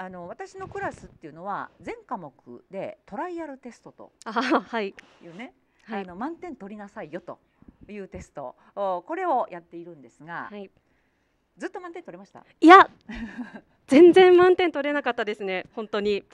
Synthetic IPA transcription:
ano̞βat̪aɕino̞kɯ̟ɾasɨt̪ːe̞iɯ̟no̞βa̰d͡zẽ̞ŋkamo̞kɯ̰d̪e̞t̪o̞ɾaiaɾɯ̟t̪e̞sɨ̥t̪o̞t̪o̞̰ahaijɯːne̞ | haano̞mãnt̪ẽ̞nt̪o̞ɾʲinasaijo̞t̪o̞ | jɯ̟ːt̪e̞sɨ̥t̪o̞̰ko̞ɾe̞o̞jʔat̪ːe̞iɾɯ̟̃nd̪e̞sɨɡahai | d͡zɨt̪ːo̞mãnt̪enoɾʲimaɕi̥t̪a̰ | ia | zẽ̞nzẽ̞mmãnt̪ẽ̞nt̪o̞ɾe̞nakat̪ːad̪e̞sɨne̞hõ̞nt̪o̞ɲ̟i

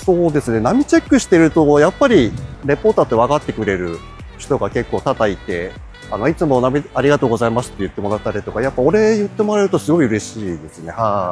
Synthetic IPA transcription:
so̞ːd̪e̞sɨne̞namʲit͡ɕe̞kːɯ̟ɕi̥t̪e̞ɾɯ̟t̪o̞japːaɾʲiɾe̞po̞ːt̪aːt̪ːe̞βakat̪ːe̞kɯ̟ɾe̞ɾɯ̟ | çi̥t̪o̞ɡake̞kːo̞ːt̪at̪ait̪e̞ | ano̞it͡sɨmo̞namʲiaɾʲiɡat̪o̞ːɡo̞zaimasɨ̥t̪ːeɯ̟t̪ːe̞mo̞ɾat̪ːaɾʲit̪o̞kajapːao̞ɾe̞jɯ̟t̪ːe̞mo̞ɾaeɾɯ̟t̪o̞sɨɡo̞iɯɾe̞ɕiːd̪e̞sɨne̞ha

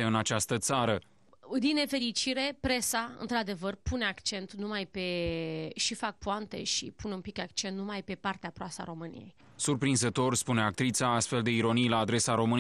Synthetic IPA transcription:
eɨnat͡ʃast̪ət̪saɾə | d̪inːe̞fe̞ɾit͡ʃiɾe̞pɾe̞saɨ̰nt̪ɾad̪e̞vərpune̞akt͡ʃe̞nt̪numajpe̞ʃifak̚poant̪e̞̰ʃḭpuneumpikakt͡ʃe̞nt̪numajpe̞part̪eapɾoasa̰ɾo̞mɨnḭje̞̰j | surpɾinzət̪o̞rspuneak̚t̪ɾit̪saast̪fe̞ld̪e̞iɾo̞nijlaːd̪ɾe̞saɾo̞mɨn

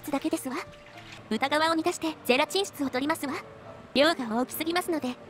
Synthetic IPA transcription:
i̥t͡sɨd̪ake̞d̪esɨβa | ɯ̟t̪aɡaβao̞ɲ̟it̪aɕi̥t̪e̞d͡ʑeɾat͡ɕĩɕɨ̥t͡sɨo̞t̪o̞ɾʲimasɨβa | ɾʲo̞ːɡaoːkʲi̥sɨɡʲimasɨno̞d̪e̞

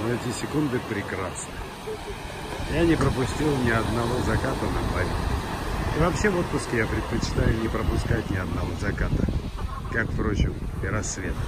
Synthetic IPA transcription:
noɛtʲɪsʲɪkund̪ɨpɾʲɪkɾasnɨ | janʲɪpɾəpʊsʲtʲilˠnʲɪɐd̪nɐvo̞zɐkat̪ənəd̪vɐɾʲit̪ɪvɐfsʲevo̞t̪̚pʊskʲɪjapɾʲɪt̪̚pət͡ɕɪ̥t̪ajʊnʲɪpɾəpʊskatʲnʲɪɐd̪nɐvo̞zɐkat̪ə | kakfpɾo̞t͡ɕɪmɾɐsːvʲet̪

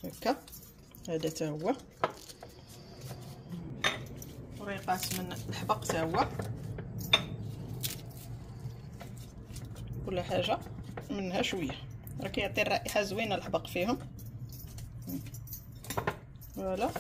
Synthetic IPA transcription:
əkːæ | hæd̪æt̪æhʊwːæ | wɾɑjqɑt̪mənlħbɑqt̪æhʊwːæ | kʊlːħaʒːamənːhæʃwəjːaɾˤɑkæjəʕt̪ˤirˤːɑʔiħazwinælħbɑqfihʊm | wælæ

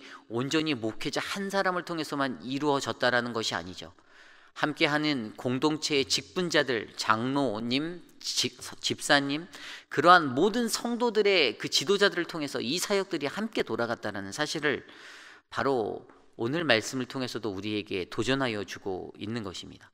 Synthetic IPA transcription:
ond͡ʑʌɲimokʰed͡ʑahansʰaɾamɯɭtʰoŋe̞sʰʌmaniɾuʌd͡ʑʌt̚t͈aɾanɯnɡʌɕʰia̰ɲid͡ʑo̰ | hamk͈e̞ɦanɯnkoŋdoŋt͡ɕʰe̞ːt͡ɕik̚p͈und͡ʑadɯɭt͡ɕaŋnoɲim | t͡ɕip̚s͈aɲːimkɯɾʌɦanmodɯnsʰʌŋdodɯɾe̞kɯt͡ɕidod͡ʑadɯɾɯɭtʰoŋɦe̞sʰʌ̰isʰajʌk̚t͈ɯɾihamk͈e̞toɾaɡat̚t͈aɾanɯnsʰaɕʰiɾɯɭ | paɾoː | nɯɭmaɭs͈ɯmɯɭtʰoŋɦe̞sʰʌdouɾie̞ɡe̞tod͡ʑʌnɦajʌd͡ʑuɡ̥o̰inːɯnɡʌɕʰimɲḭd̥a

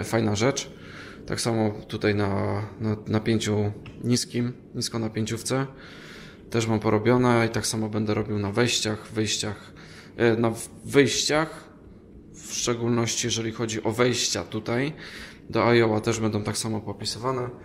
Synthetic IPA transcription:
fajnaʐɛt͡ʂ | t̪a̰ksamɔt̪ut̪ajnananapʲjeɲt͡ɕuɲiskʲim | ɲiskɔnapʲjeɲt͡ɕuft̪sɛ | t̪ɛʂmampɔɾɔbʲjɔnɛit̪aksamɔbɛnd̪ɛɾɔbʲiwnavɛjɕt͡ɕaxvɘjɕt͡ɕax | navɘjɕt͡ɕax | fʂt͡ʂɛɡulnɔɕt͡ɕijɛʐɛlʲixɔd͡ʑiʔɔvɛjɕt͡ɕa̰t̪ut̪aj | d̪ɔajɔwat̪ɛʐbɛnd̪ɔ̃w̃t̪aksamɔpɔpʲisɘvanɛ

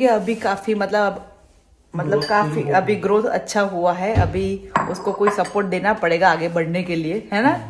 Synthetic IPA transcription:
keɐbʱikaːfimɐt̪ləbɐb | mɐt̪ləb̚kaːfiɐbʱiɡɾoːt̪ʰɐ̰tːʃʰaɦuaɦɛɐbʱiʊskokoːisɐpoːɾʈ̚d̪eːnapɐɽeːɡaːɡebɐɽnekeliehɛːnaː

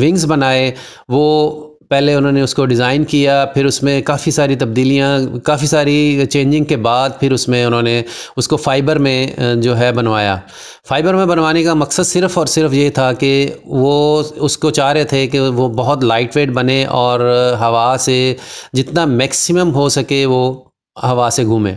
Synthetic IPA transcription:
ʋɪ̃ŋɡzbɐnaːe | ʋoː | pɛɦleʊnɦõːneʊskoɖɪzaːɪnkijapʰɪɾʊsmẽkaːfisaːɾit̪ɐb̚d̪iːlijãkaːfisaːɾit͡ʃẽːɲd͡ʒɪ̃ŋɡkebaːd̪̚pʰɪɾʊsmẽʊnɦõneʊskofaːɪbəɾmẽd͡ʒoːɦɛbɐnʋa̰ːja̰ː | faːɪbəɾmẽbɐnʋaːnekamɐksəd̪sɪɾfɔːɾsɪɾfjeɦt̪ʰakeʋoːʊskot͡ʃaːɾet̪ʰekeʋobɐɦʊt̪laːɪʈʋeːɖbɐneʔɔːɾɦɐʋased͡ʒɪt̪namɛːksɪməmɦosɐkeʋo | ɦɐʋaseɡʱuːmḛː

